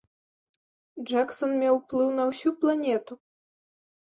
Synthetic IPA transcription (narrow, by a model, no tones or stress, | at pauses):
d͡ʐaksɔnmʲawplˠɨwnɐwsʲuplˠanʲɛt̪u